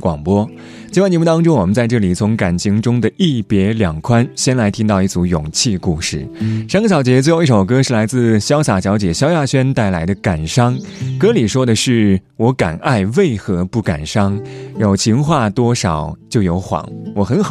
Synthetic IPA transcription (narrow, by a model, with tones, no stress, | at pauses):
kwɑ̰˨˩ŋpwɔ˥ | t͡ɕi˥wa˥˩nt͡ɕ̪jmu˥˩t̪ɑ˥ŋʈ͡ʂʊ˥ŋwɔ˨˩mə˦nt͡sa˥˧ɪʈ͡ʂɤ˥˩li˨˩t͡sʰʊ˧˥ŋka˨˩nt͡ɕʰi˧˥ŋʈ͡ʂʊ˥ŋd̪ə˨i˥˩pjɛ˧˥ljɑ˨˩ŋkʰwa˥nɕjɛ˥nla˧˥ɪt̪ʰi˥ŋt̪ɑ˥˧ʊi˥˩t͡su˧˥jʊ˨˩ŋt͡ɕʰi˥˧ku˥˧ʂɻ̩˥˩ʂnŋɡə˧˩ɕjɑ˨˩ʊt͡ɕjɛ˧˥t͡s̬we˥˧xo˥˧ʊi˥˩ʂo˨˩ʊ˩kɤ˥ʂɻ̩˥˩la˧˥ɪt͡sɹ̩˥˧ɕjɑ˥ʊsa˨˩ɕjɑ˧˥ʊt͡ɕjɛ˨˩ɕjɑ˥ʊja˥˩ɕɥɛ˥nt̪a˥˩ɪla˧˥ɪd̪ə˧ka˨˩nʂɑ˥ŋkɤ˥li˨˩ʂwɔ˥d̪ə˨ʂɻ̩˥˩wɔ˧˥ka̰˨˩na˥˧ɪwe˥˩ɪxɤ˧˥pu˥˩ka̰˨˩nʂɑ˥ŋjo˨˩ʊt͡ɕʰi˧˥ŋxwa˥˩t̪wɔ˥ʂɑ˨˩ʊt͡ɕjo˥˩ʊjo˧˥ʊxwɑ̰˧˩˥ŋwɔ˨˩xə˧˥n˨